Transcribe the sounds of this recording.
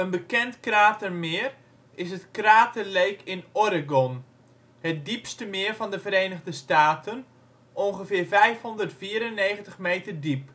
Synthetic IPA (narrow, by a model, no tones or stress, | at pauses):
ənbəkɛntkraːtərmɪər | ɪsətkraːtərlejkʰɪnɔɾəɡɔn | hɛt̚dipstəmɪːərvɔndəvəɾeːnəɣdəstaːtən | ʔɔnɣəfɪːrvɛjfhɔndərtfiəɾənːeːɣəntəxmeːtərdip